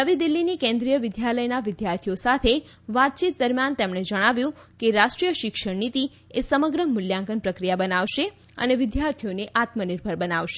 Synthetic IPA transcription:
əʋid̪ilːinikɛ̃nd̪ɾijəʋɪd̪jaləjnaʋɪd̪jaɾt̪ʰijosat̪ʰe | ʋat̪̚t͡ʃit̪̚d̪əɾmjant̪emɳed͡ʒəɽ̃aʋjũkeɾaʃʈɾijəʃɪkʃəɽnit̪i | esəməɡɾəmʊljãŋkənpɾəkɾijabənaʋʃe | ə̰neʋɪd̪jaɾt̪ʰijoneʔat̪məniɾbʱəɾbənaʋʃe̥

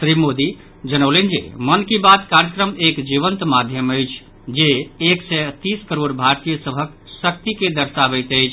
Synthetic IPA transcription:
sɾimod̪i | d͡ʒənəwlənd͡ʒḛmənkibat̪kaɾjəkɾəmekd͡ʒiʋənt̪mad̪ʱjəməjt͡ʃʰ | d͡ʒeːksɛt̪iskəɾoɾbʱaɾt̪ijəsəbʱək | sək̚t̪iked̪əɾsabəjt̪əɪt͡ʃʰ

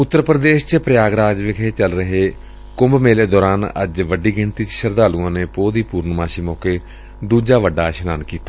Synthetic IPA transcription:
ʊt̪ːəɾpɾəd̪eːʃt͡ʃəpɾəjaːɡɾaːd͡ʒʋɪkʰeːt͡ʃəlɾəɦeː | kʊmbmeːleːd̪ɔːɾaːnə̰d͡ʒʋəɖiːɡɪɳt̪iːt͡ʃʃəɾd̪aːluːãːneːpoːd̪iːpuːɾnmaːʃiːmɔːkeː | d̪uːd͡ʒaːʋəɖːaːʃənaːnkiːt̪aː

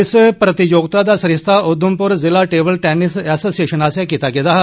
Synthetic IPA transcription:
ɪspɾɐt̪ijoːɡ̚t̪ad̪asɐɾɪst̪ʰaʔʊd̪ʱːumpʊɾzɪlaʈeːbəlʈɛnɪsɛːsoːsijeʃənaːsjãkit̪aɡed̪aɦa

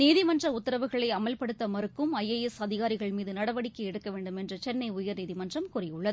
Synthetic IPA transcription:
niːðɪmɐndrɐʊt̪ːɐɾɐʋɯɣɐɭɐɪɐmɐlpɐɽɯt̪ːɐmɐɾɯkːɯmɐjːɐjɛsɐðɪɣaːɾɪɣɐɭmiːðɯnɐɽɐʋɐɽɪkːɯɛɽɯkːɐʋeːɳɖɯmɛndrɐt͡ʃɛnːɐɪʊjɐɾniːðɪmɐndrɐmkʊrɪjɯɭːɐðɯ

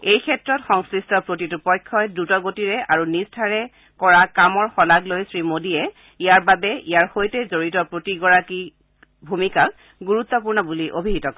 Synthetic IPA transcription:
ejkʰɛtɹɔtxɔŋskɹistɔpɹotitupɔjkʰːɔjdutɔɡotiɹɛʔaɹunistʰaɹɛ | kɔɹakamɔɹxɔlaɡlojsɹimodiɛ | ijaɹbabɛijaɹxojtɛzoɹitɔpɹotiɡɔɹaki | bʱumikak | ɡuɹut̪ːɔpuɹnɔbuliʔobʱiɦitɔkɔ

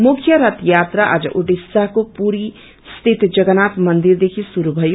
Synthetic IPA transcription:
mukʰjʌɾʌt̪jat̪ɾaʔa̰d͡zʌ̰ʔoʈisaɦkopuɾi | st̪ʰit̪d͡zʌɡʌnat̪mʌnd̪iɾd̪ekʰisuɾubʱʌjo

